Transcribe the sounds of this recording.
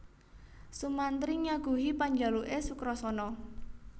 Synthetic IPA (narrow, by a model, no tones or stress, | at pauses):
sumant̪ɾiɲaɡ̥ṳɦipaɲd͡ʒa̤luʔesukɾɔsɔnɔ